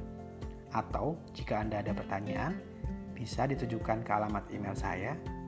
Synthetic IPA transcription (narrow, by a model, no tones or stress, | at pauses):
ʔat̪awd͡ʒikaːndaːdapərt̪aɲaan | b̥isadit̪ud͡ʒukankəalamat̪imelsa̰ja